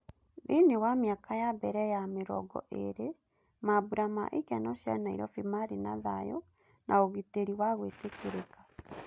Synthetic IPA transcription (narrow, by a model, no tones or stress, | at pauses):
ðinewamjakajabɛɾɛjameɾɔ̰ɡɔ̰ʔḛɾe | maβuɾama̰ʔekɛnɔʃɛnaḭɾɔfimaɾinaðajɔ̰ | nʔaoɣiteɾiwaɣwetekeɾekḁ